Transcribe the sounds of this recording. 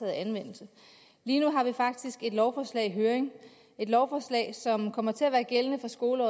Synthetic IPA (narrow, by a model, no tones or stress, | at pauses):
ɛːð̩ˠænʋen̰l̩sə | liːnuɦɑ̈ʋifɑ̈ɡ̥̚d̥isɡ̥e̝d̥lɒʊfɒːslɛ̰ɪ̰ɦøːɐeŋ | e̝d̥lɒʊfɒːslɛ̰ɪsɒ̽mkʰɒ̽m̰ɐt͡sʰe̝læʋæːɐɡ̥elənəfɒ̽sɡ̥o̝ːləɒ̰ː